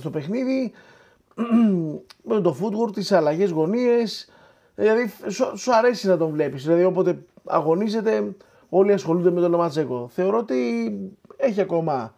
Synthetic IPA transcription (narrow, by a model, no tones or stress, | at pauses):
st̪ope̞xniði | met̪o̞fut̪ɣoɾt̪isɐlɐʝe̞zɣo̞nie̞s | ðlɐðissoɐɾe̞sinɐt̪o̞ɱvle̞pisðilɐðio̞po̞t̪e̞ɐ̰ɣo̞nize̞t̪e̞ | o̞liɐsxolund̪eme̞t̪o̞lo̞mɐt͡seko̞θe̞o̞ɾo̞ot̪i | e̞çiɐko̞mɐ